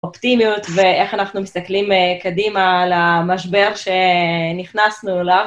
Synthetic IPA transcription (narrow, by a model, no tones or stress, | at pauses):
optimijutveeχanaχnumist̪aklimkadimalamaʃbe̞ʁʃeniχnasnulav